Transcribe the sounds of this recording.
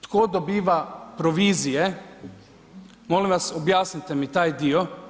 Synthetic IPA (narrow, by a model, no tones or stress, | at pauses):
t̪koːd̪obiːʋapɾoʋiːzije | moːlimʋasobjaːsnit̪ɛmit̪aːjd̪iːo